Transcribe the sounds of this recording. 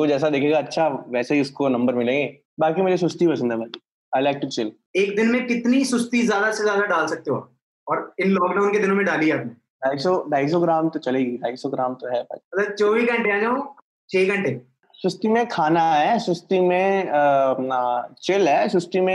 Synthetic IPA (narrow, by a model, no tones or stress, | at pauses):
od͡ʒɛːs̬ad̪eːkʰeːɡaːtːʃʰaʋɛːseɦiʊskonɐ̃mbəɾmɪlẽːŋɡe | baːkimeːɾisʊst̪ipɐsə̃nd̪ɦɛbɐ | aːɪlaːɪk̚ʈut͡ʃel | eːkd̪ɪnmẽkɪt̪nisʊst̪izjaːd̪asezjaːd̪aɖaːlsɐk̚t̪eɦõa̰ːp | ɔːɾɪnloːɡneʊnked̪ɪnõmẽɖaːliɛaːpne | ɖaːisɔɖʱaːɪs̬ɔɡɾaːmt̪ot͡ʃɐleːɡidaːisɔɡɾaːmt̪oɦɛbɐ̰t͡ʃmɐt̪lət͡ʃoːʋikɐə̃ɳʈeãːd͡ʒaːõ | t͡ʃʰeːɡɐ̃ɳʈe | sʊst̪imẽkʰaːnaɦɛsʊst̪imẽ | t͡ʃelɦɛsʊst̪imẽ